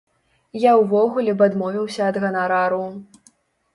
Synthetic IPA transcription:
jawvɔɣulʲɛbad̪mɔvʲiwsʲɐːd̪ɣɐnaɾaɾu

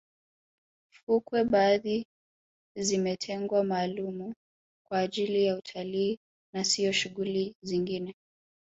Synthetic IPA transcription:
fukwɛɓaði | zimɛtʰɛŋɡwamaːlumu | kwaːʄilijautʰaliː | nasiɔʃuɣuliziŋɡinɛ

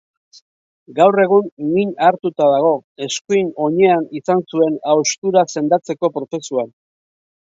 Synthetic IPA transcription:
ɡawre̞ɣ̞uŋɡiɲaɾt̪ut̪aðaɣ̞o̞e̞skujno̞ɲe̞anisansue̞nawst̪uɾase̞nd̪at͡se̞ko̞pɾo̞t͡se̞suan

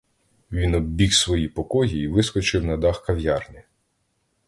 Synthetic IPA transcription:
ʋʲinɔbbʲixsʋɔjipɔkɔjiːʋɪskɔt͡ʃɪwnɐd̪ɑxkɐwjɑrnʲi

